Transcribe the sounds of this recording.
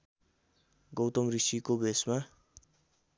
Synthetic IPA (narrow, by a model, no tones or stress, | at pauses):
ɡʌwt̪ʌmrisikobʱesma